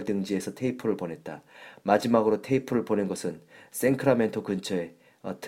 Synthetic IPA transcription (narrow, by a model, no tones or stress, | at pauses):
ɭtɯŋd͡ʑie̞sʰʌtʰe̞ipʰɯɾɯɭponɦe̞t̚t͈amad͡ʑimaɡɯɾotʰe̞ipʰɯɾɯɭponenɡʌsʰɯns͈e̞nkʰɯɾame̞ntʰokɯnt͡ɕʰʌe̞ | ʌ̰tʰ